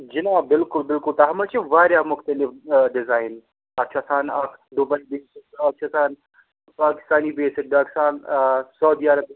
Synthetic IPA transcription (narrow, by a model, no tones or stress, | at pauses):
d͡ʒɪnaːbɪlkʊlbɪlkʊlt̪ɐɦɐmɐt͡ʃʰeʋaːɾjamʊxt̪əlɪfɖɪzaːɪn | ɐt̪ːt͡ʃʰaːsaːnɐkd̪ʊbɐibeːsɪkɐt̚t͡ʃʰaːsaːn | paːkɪ̥st̪aːnibeːsɪk̚baːkɪ̥st̪aːnsɐwd̪iːaɾɐb